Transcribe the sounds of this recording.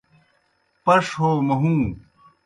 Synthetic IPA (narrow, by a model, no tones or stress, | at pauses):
pɐʂɦoːmɐɦũː